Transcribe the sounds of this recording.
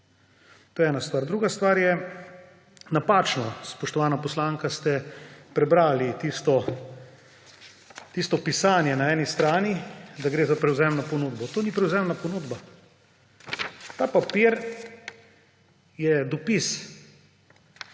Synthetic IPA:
t̪oːjɛɛːnast̪ʋaːɾd̪ɾuːɡast̪ʋaːɾjɛ | napaːt͡ʃnɔspɔʃt̪ɔʋaːnapɔslaŋkast̪ɛpɾɛbɾaːlit̪ist̪ɔ | t̪ist̪ɔpisaːnjɛnaɛːnist̪ɾaːnid̪aɡɾeːzapɾɛwzɛmnɔpɔnuːd̪bɔt̪oːnipɾɛwzɛmnapɔnuːd̪ba | t̪aːpapiɾ | jɛd̪ɔpis

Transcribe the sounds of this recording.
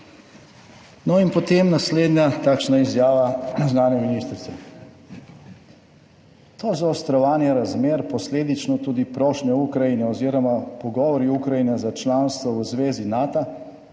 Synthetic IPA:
nɔinpɔt̪emnasleːd̪nʲjat̪aːkʃnaizjaːʋaznaːnjɛminist̪ɾsɛ | t̪ozaːst̪ɾɔʋaːnjɛɾazmeːɾpɔsleːd̪it͡ʃnɔt̪uːd̪ipɾɔʃnɛukɾajinɛɔziɾɔmapɔɡɔːʋɔɾiukɾajinɛzat͡ʃlaːnst̪ʋɔwzʋeːzinaːt̪a

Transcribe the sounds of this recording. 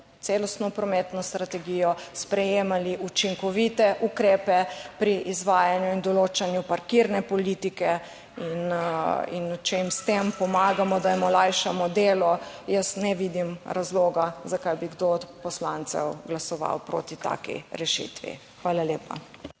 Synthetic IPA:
t̪selɔst̪nɔpɾɔmet̪nɔst̪ɾat̪ɛɡijɔspɾɛjeːmaliʔut͡ʃiŋkɔʋit̪ɛʔukɾeːpɛpɾiʔizʋaːjanjuind̪ɔloːt͡ʃanjupaɾkiɾnɛpɔliːt̪ikɛ | inḭnt͡ʃɛimst̪empɔmaːɡamɔd̪ajmɔlajʃamɔd̪eːlɔjəsnɛʋid̪imɾazloːɡazakajbiɡd̪opɔslant̪sɛ̰wɡlasɔʋa̰wpɾo̰ːt̪it̪a̰kḭɾɛʃḭt̪ʋḭ | xʋaːlaljeːpa̰

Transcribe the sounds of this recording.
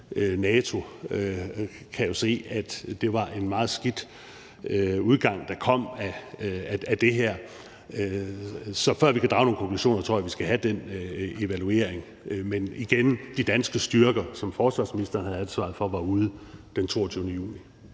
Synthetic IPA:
nɛːt͡sʰo̝ | kʰæjo̝se̝̰ːæd̥d̥e̝ʋɑ̈ʔe̝nmɑ̈ːð̩ˠsɡ̥id̥ | uð̞ˠɡ̥ɑ̈ŋ̰d̥ɑ̈kʰɒ̽m̰æ | æd̥e̝ɦeɐ̰ | sɒ̽fɶɐʋikʰæd̥ʁɑ̈ʊno̝ːnkʰɒ̽ŋkʰlu̥ɕo̰ːnɐt͡sʰo̝ɐ̰jæʋisɡ̥æɦæd̥en̰e̝ʋælue̝ɐ̰e̝ŋ | meniɡ̥end̥id̥ænsɡ̥əsd̥yɐɡ̥ɐsɒ̽mfɒːsʋɑ̈sminisd̥ɐːnhæð̩ˠænsʋɑ̈ð̩ˠfɒ̽ʋɑ̈uːð̞ˠd̥ent͡sʰo̝ːɐt͡sʰyːðˠnəjṵːni

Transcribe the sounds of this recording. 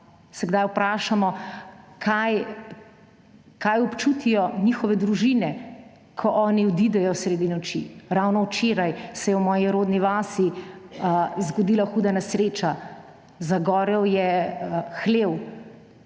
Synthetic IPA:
sɛɡd̪ajupɾaːʃamɔkʰaj | kajɔpt͡ʃut̪ijɔnixɔʋɛd̪ɾuʒinɛ | kʰɔʔɔːniɔd̪id̪ɛjɔsɾeːd̪inɔt͡ʃḭɾawnɔwt͡ʃeːɾajsɛjɛwmɔːjiɾoːd̪niʋaːsi | zɡɔd̪iːlaxuːd̪anɛsɾeːt͡ʃa | zaɡɔːɾɛwjɛ | xleːw

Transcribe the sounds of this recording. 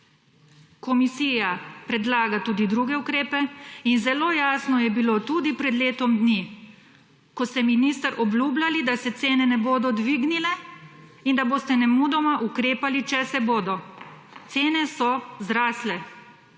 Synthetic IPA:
kɔmisiːjapɾɛd̪laːɡat̪uːd̪id̪ɾuɡɛukɾeːpɛinzɛloːjaːsnɔjɛbilot̪ud̪ipɾɛd̪leːt̪ɔmd̪ni | kɔst̪ɛminiːst̪əɾʔɔbluːblalid̪asɛt̪seːnɛnɛboːd̪ɔd̪ʋiːɡnilɛ | ind̪aboːst̪ɛnɛmud̪ɔmaʔukɾeːpalit͡ʃɛsɛboːd̪ɔ | t̪seːnɛsɔzɾaːslɛ

